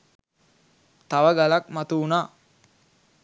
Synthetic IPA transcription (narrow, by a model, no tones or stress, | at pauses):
t̪aʋəɡalakmat̪uunaː